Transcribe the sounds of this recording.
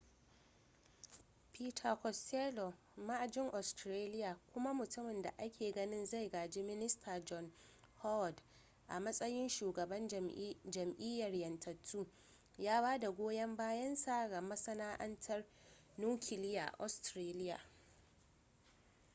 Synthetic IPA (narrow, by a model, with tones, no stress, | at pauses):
piː˦tʰɐ˨kɔ˨steː˦lo˨ | ma˦ʔa˨d͡ʒɪ˦ŋʔɔ˨stɾeː˦lɪ˦jaː˨kʷʊ˦ma˦mʊ˨tʊ˦mɪ˨nda̰˨ʔa˦kʲʰeː˨ɡɐ˦nɪ˦nza˦˨jɡaː˨d͡ʒiː˦mɪ˦nɪ˦stʰaː˨d͡ʒɔ˦n | hɔ˦wd | ʔa̰˨mɐ˦sʼɐ˦jɪ˦nʃuː˨ɡɐ˨bɐ˦nd͡ʒɐ˨mʔɪ˦jɐ˨rjɐ˨ntʰɐ˨tʰːuː˦ | jaː˦baː˦da˨ɡʷoː˦jɐ˦mbaː˦jɐ˦nsaː˦ɡa˨mɐ˦sɐ˦naː˦ʔɐ˦ntʰɐ˦r | nuː˦kʲʰɪ˨lɪ˦ja̰˨ʔɔ̰˨stɾeː˦lɪ˦ja̰ː˨